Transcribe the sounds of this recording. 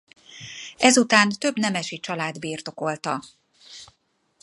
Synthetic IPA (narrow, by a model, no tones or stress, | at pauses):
ɛzut̪aːnt̪ø̞bnɛmɛʃit͡ʃɒlaːd̪biːrt̪o̞ko̞lt̪ɒ